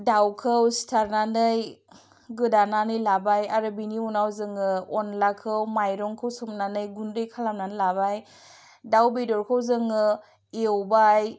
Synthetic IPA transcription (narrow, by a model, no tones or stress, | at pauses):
dawkʰɯwstʰaɾnanɯj | ɡɯdananɯjlabajaɾɯbiniunawzɯŋɯɔnlakʰɯwmajɾɔŋkʰɯwsɯmnanɯjɡundɯjkʰalamnanɯlabaj | dawbedɔɾkʰɯwzɯŋɯ | ewbaj